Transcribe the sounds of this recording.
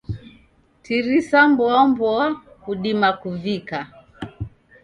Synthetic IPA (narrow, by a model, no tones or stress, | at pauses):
tiɾisambwɔmbɔakuɗimakuvika